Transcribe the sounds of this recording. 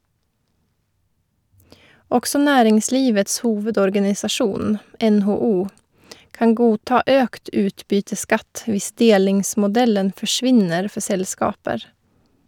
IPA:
ˈɔksɔ ˈnæːɾɪŋˌsliːʋəts ˈhuːʋədɔɾɡɑnɪsɑˌʃuːn ɛnhoːˈuː ˈkɑŋ ˈɡuːˌtɑː ˈøːkt ˈʉːtˌbyːtəˌskɑt ˈʋɪs ˈdeːlɪŋsmʊˌdɛlən fɔˈʃʋɪnəɾ ˈfɔ ˈsɛlˌskɑːpəɾ

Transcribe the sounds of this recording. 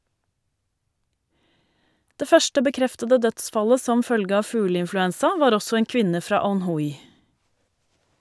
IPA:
ˈdeː ˈfœʃʈə bəˈkɾɛftədə ˈdœtˌsfɑlə ˈsɔm ˈfœlɡə ˈɑː ˈfʉːləɪnflʉˌɛnsɑ ˈʋɑːɾ ˈɔsɔ ˈeːŋ ˈkʋɪnə ˈfɾɑː ɑnˈhʊj

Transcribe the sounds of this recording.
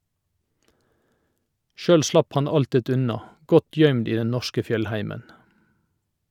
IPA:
ˈʃœl ˈslɑp ˈhɑn ˈɑltɪt ˈʉnɑ ˈɡɔt ˈjœʏmd ˈiː ˈdɛn ˈnɔʃkə ˈfjœlˌhæɪmən

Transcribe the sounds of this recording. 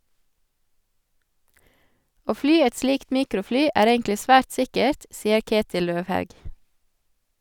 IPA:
ˈoː ˈflyː ˈɛt ˈsliːkt ˈmiːkɾʊˌflyː ˈæːɾ ˈeːŋklɪ ˈsʋæːɾt ˈsɪkəɾt ˈsiːə ˈkeːtɪl ˈløːʋˌhɑʉɡ

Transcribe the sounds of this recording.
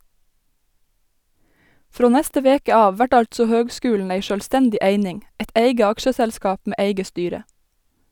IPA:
ˈfɾoː ˈnæstə ˈʋeːkə ˈɑːʋ ˈʋæʈ ˈɑʎtsɔ ˈhøːɡˌskʉːln̩ ˈeɪ ˈʃøːlstɛndɪ ˈʔeɪnɪŋ ˈɛt ˈeɪɡə ˈɑkʃəsælˌskɑːp ˈmeː ˈʔeɪɡə ˈstyːɾə

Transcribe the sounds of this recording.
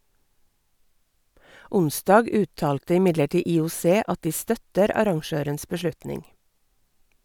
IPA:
ˈʊnˌsdɑːɡ ˈʉːˌtɑːltə ɪˈmɪdləˌʈiː iːʊˈseː ˈɑt ˈdiː ˈstœtəɾ ˈɑɾɑŋˌʃøːɾəns bəˈʃlʉtnɪŋ

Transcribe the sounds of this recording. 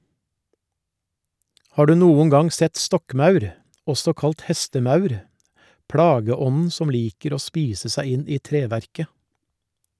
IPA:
ˈhɑː ˈɖʉː ˈnuːʊŋ ˈɡɑŋ ˈsɛt ˈstɔkˌmɑʉɾ ˈɔsɔ ˈkɑlt ˈhɛstəˌmɑʉɾ ˈpɽɑːɡəˌɔnn̩ ˈsɔm ˈliːkəɾ ˈoː ˈspiːsə ˈsæɪ ˈɪn ˈiː ˈtɾeːˌʋæɾkə

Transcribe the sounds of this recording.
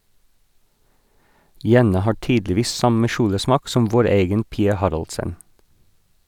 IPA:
ˈjɛnɑ ˈhɑː ˈʈyːdlɪˌʋiːs ˈsɑmə ˈʃuːləˌsmɑːk ˈsɔm ˈʋoːɾ ˈeːɡən ˈpiːɑ ˈhɑɾɑlsən

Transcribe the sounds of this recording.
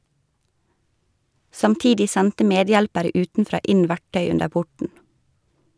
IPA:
sɑmˈtiːdɪ ˈsɛntə ˈmeːˌdjɛlpəɾə ˈʉːtnˌfɾɑː ˈɪn ˈʋæʈœʏ ˈʉndəɾ ˈpʊʈɳ̩

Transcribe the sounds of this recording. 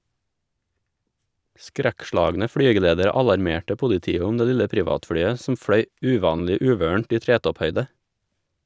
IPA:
ˈskɾækˌʃlɑːɡnə ˈfɽyːɡəleːdəɾə ˈɑlɑɾˌmeːʈə ˈpʊlɪˌtiːə ˈʊm ˈdeː ˈlɪlə ˈpɾɪʋɑːtˌfɽyːə sm̩ ˈfɽœʏ ˈʉːˌʋɑːnlɪ ˈʉːʋøːɳ̩ʈ ˈiː ˈtɾeːtɔpˌhœʏdə

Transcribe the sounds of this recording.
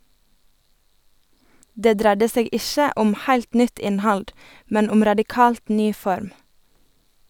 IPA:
ˈdeː ˈdɾædə ˈseːɡ ˈɪʃə ˈɔm ˈhæɪlt ˈnʏt ˈɪnˌhɑld ˈmɛn ˈʊm ɾɑdɪˈkɑːlt ˈnyː ˈfɔɾm

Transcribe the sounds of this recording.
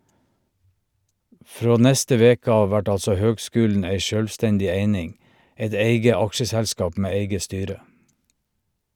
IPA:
ˈfɹoː ˈnɛstə ˈʋeːkə ˈɑːʋ ˈʋæʈ ˈɑlsɔ ˈhøːɡˌskʉːln̩ ˈæɪ ˈʃøːlʋˌstɛndɪ ˈeɪnɪŋ ˈɛt ˈeɪɡə ˈɑkʃəsɛlˌskɑːp ˈmeː ˈeɪɡə ˈstyːɾə

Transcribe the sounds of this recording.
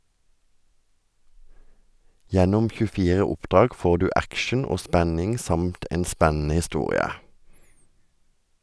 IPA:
ˈjɛnʊm çʉˈfiːʁə ˈʊpˌdʁɑːɡ ˈfoː ˈdʉː ˈækʃn̩ ˈoː ˈspænɪŋ ˈsɑmt ˈeːn ˈspænn̩ə hɪˈstuːʁɪə

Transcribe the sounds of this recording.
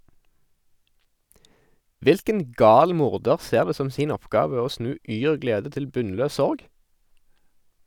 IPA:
ˈʋɪlkən ˈɡɑːl ˈmʊʁdəʁ ˈseːʁ ˈdeː ˈsɔm ˈsiːn ˈɔpˌɡɑːʋə ˈoː ˈsnʉː ˈyːʁ ˈɡleːdə ˈtɪl ˈbʉnˌløː ˈsɔʁɡ

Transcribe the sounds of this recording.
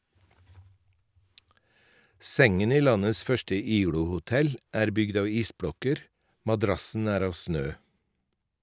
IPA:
ˈsɛŋən ˈiː ˈlɑnəs ˈfœʃʈə ˈiːɡɽʊhʊˌtɛl ˈæːɾ ˈbʏɡd ˈɑːʋ ˈiːsˌbɽɔkəɾ mɑˈdɾɑsn̩ ˈæːɾ ˈɑːʋ ˈsnøː

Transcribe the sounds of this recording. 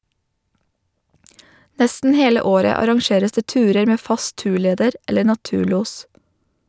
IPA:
ˈnɛstn̩ ˈheːlə ˈoːɾə ɑɾɑŋˈʃeːɾəs ˈdeː ˈtʉːɾəɾ ˈmeː ˈfɑs ˈtʉːˌɭeːdəɾ ˈɛləɾ nɑˈtʉːˌɭuːs

